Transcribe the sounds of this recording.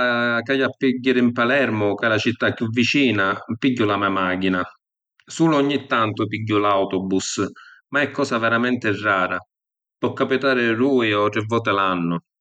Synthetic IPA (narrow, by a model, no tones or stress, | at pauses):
kajapːiɟːɪɾɪimpalɛɾmʊkalat͡ʃit̪ːakːjuvːit͡ʃiːnapiɟːʊlamɛmaːkina | suːlʊɔɲːit̪ːant̪ʊpiɟːʊlawt̪ɔbusmaɛkːɔːsavɛɾamɛnt̪ɪrːaːɾa | pɔkːapit̪aːɾɪɾuːjɔʈɾɪvːɔːt̪̬ɪlanːʊ